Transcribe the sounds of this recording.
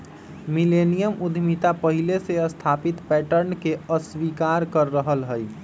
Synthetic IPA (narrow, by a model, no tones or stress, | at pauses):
milenijəmud̪ʱmit̪apəɦileseəst̪ʰapit̪pɛʈəɾnkeəswikaɾkəɾːəɦəlɦəj